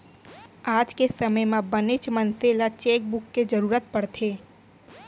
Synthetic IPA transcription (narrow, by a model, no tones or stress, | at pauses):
aːd͡ʒkesəməjmãbənɪt͡ʃmənselat͡ʃeːk̚bʊkːed͡ʒəɾuːɾət̪̚pəɽt̪ʰeː